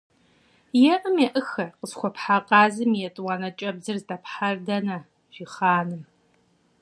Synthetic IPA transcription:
jɛʔɨmjɛʔɨxɐqəzχʷɔpħaqʼɑːzɨmjɛtʼwɑnɐt͡ʃʼɐbzɨrzdɐpħardɐnɐ | ʒ̥iχaːnɨm

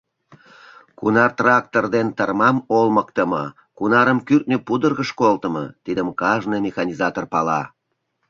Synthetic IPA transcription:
kunɑrt̪rɑk̚t̪ord̪ent̪ɑrmɑmolməkt̪əmə̰ | kunɑɾəmkyrt̪̚nepud̪ərɣəʃkolt̪əmɤ̰t̪id̪əmkɑʒnɤjmʲexɑnʲizɑt̪orpɑlɑ

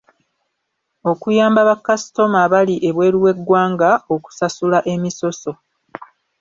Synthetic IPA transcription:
o̞kujaːmbaβakːasto̞maβaliʔe̞βwe̞ːɾiwe̞ɡːwaːŋɡao̞ku̥sasulaʔe̞miso̞so̞

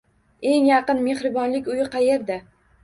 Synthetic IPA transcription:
e̞ŋjɑqɨnme̞hɾɪbɒnlɪkʲʊjɪqʰɑje̞ɾd̪a

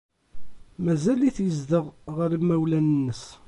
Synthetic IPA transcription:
mæzæliθjəzd̪əʁʁəɾimːæwlænənːəs

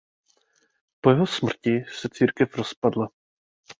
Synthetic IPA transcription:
pojɛɦosmr̩cɪsɛt͡siːɾkɛfɾo̞spadla

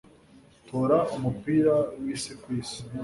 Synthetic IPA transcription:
toːɾaumupiɾawisikwiːsi̥

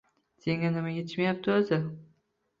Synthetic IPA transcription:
seŋanɪmajʲet̪ʰɪʃmajap̚t̪ʰɪozɪ

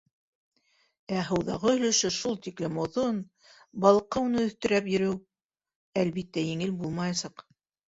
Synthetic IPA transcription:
æɦɤ̆wðɑʁɤɵ̆lɵ̆ʃɵʃulˠt̪iklɘmŏðon | bɑlˠqɤunɤɵ̆θt̪ɵ̆ɾæpjɵ̆ɾɘw | ælβit̪ːæjɘ̆ŋɘlbulˠmɑjɑsɑq

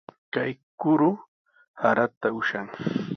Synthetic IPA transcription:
kajkʊɾʊ | haɾat̪aʊʃaŋ

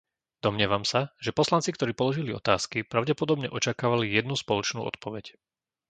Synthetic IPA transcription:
d̪ɔmɲɪɛʋamsaʒɛpɔslant͡sik̚t̪ɔɾiːpɔlɔʒiliɔ̰t̪aːskipɾaʊɟɛpɔd̪ɔbɲɛʔɔt͡ʃakaːʋalijɛd̪nuspɔlɔt͡ʃnṵːɔ̰t̪pɔʋɛc

